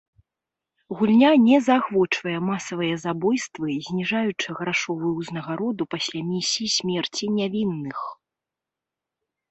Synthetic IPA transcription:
ɣulʲnʲanʲɛzaxvɔt͡ʂvɐjɛmasɐvɨjɐzabɔjst̪vɨzʲnʲiʐajut͡ʂɨɣɾaʂɔvujuznɐɣaɾɔd̪upasʲlʲamʲisʲiisʲmʲɛrt͡sʲinʲavʲinːɨx

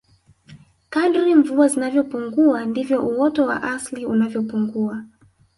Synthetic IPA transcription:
kaɗuɾiɱvuazinavjɔpuŋɡuandivjɔʔuwɔtɔwa̰ʔasliunavjɔpuŋɡua

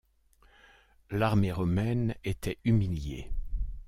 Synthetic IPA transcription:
laʁmeʁɔmɛnet̪ɛymiljḛ

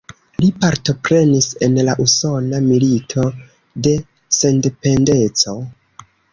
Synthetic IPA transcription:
lipaɾto̞pɾe̞nise̞nlaʔuso̞namilitʰo̞ | de̞ | se̞nde̞pe̞nde̞t͡so̞

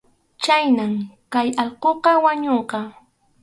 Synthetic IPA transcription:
t͡ʃajnamkajɑlqoqɑwaɲoɴqɑ

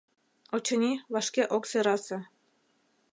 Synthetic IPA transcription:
ot͡ɕɤ̆nʲiβɑʃkeʔokseɾɑsĕ

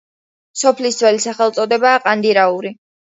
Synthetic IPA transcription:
sɔpʰlisd̪zvwɛlisaχɛlˠt̪sʼɔd̪ɛbaːqʼand̪iɾauɾi

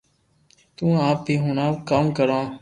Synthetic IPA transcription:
t̪ũːaːp̚bʱiːɦʊːnaːkaːmkəɾãː

